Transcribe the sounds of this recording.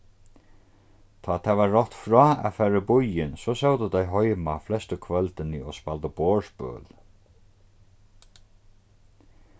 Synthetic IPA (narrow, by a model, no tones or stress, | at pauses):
t̪ʰɔːt̪ʰaːvaːɔht̪fɾɔːa̰ðfɛːɾabʊjɪnsɔsɔwt̪ət̪ajɦɔjmaflɛst̪əkʰvœlt̪ɪnəɔspalt̪əboːɹspœ̰ːl